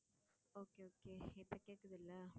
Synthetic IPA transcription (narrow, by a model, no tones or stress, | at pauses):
oːkeoːkeːɪpːɐkeːkːɐðɪlːɐ